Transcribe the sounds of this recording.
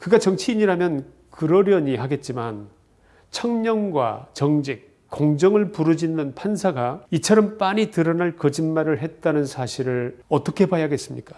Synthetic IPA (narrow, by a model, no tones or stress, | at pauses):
kɯɡat͡ɕʌŋt͡ɕʰiːɲiɾamjʌn | kɯɾʌɾjʌɲihaɡe̞t̚t͡ɕ͈iman | t͡ɕʰʌŋɲʌŋɡwa̰t͡ɕʌŋd͡ʑik̚ | k͈ːoŋd͡ʑʌŋɯɭpuɾud͡ʑinːɯnpʰansʰaɡait͡ɕʰʌɾʌmp͈aɲitɯɾʌnaɭkʌd͡ʑinmaɾɯɭɦe̞t̚t͈anɯnsʰaɕʰiɾɯɭʌt͈ʌkʰe̞pajaɡe̞s͈ɯmɲik͈ḁ